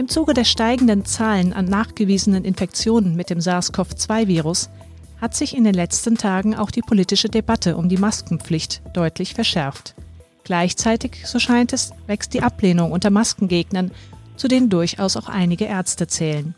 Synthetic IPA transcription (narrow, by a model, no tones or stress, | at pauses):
ʔɪmt͡suːɡədeːɐʃtaɪɡŋ̩dənt͡saːlənʔa̰nːaːχɡ̥əviːzənənʔɪnfɛk̚t͡sjoːnənmɪt̚d̥eːmzaːskʰɔft͡sv̥aɪviːʁʊs | hatz̥ɪçɪndeːnlɛt͡stn̩tʰaːɡŋ̩a̰ʊxd̥iːpʰoliːtɪʃədebatʰəʔʊmdiːmaskŋ̩p͡flɪçtd̥ɔʏtʰlɪçfɛɐʃɛɐft | ɡ̥laɪçt͡saɪtɪçz̥oːʃaɪntɛsv̥ɛkst̚d̥iːʔapleːnʊŋʔʊntɐmaskŋ̩ɡeːɡnɐnt͡sudeːəndʊɐça̰ʊsaʊxʔa̰ɪnɪɡəʔɛɐt͡stət͡sɛːlən